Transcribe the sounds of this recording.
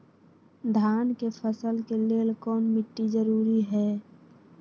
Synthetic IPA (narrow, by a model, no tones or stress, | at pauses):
d̪ʱaːnkepʰəsəlkeleːlkɔːnmɪʈːizəɾuːɾiɦɛː